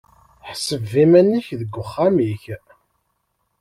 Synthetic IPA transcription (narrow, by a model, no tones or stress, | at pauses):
ħsəvːimænːiçðəɡʷːʊχːamiç